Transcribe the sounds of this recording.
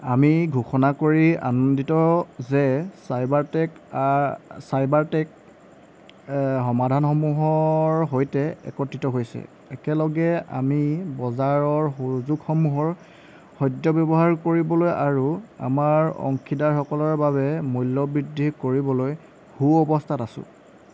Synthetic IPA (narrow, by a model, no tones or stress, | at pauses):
amiɡʱuxɔnakoɹia̰nonditɔzɛsajbaɹtɛk | sajbaɹtɛk | xɔmadʱanxɔmuɦɔɹɦojtɛɛ̰kɔtɹitɔɦojsɛ̰ | ɛkɛlɔɡɛa̰mibɔzaɹɔɹɦuzuɡxɔmuɦɔɹ | xɔjdjɔbɔbɔɦaɹkoɹibɔlojaɹua̰maɹɔ̰ŋkʰidaɹxɔkɔlɔɹbaβɛmujlːɔbɹidʱikoɹibɔloj | huɔbɔstʰatasʊ̰̃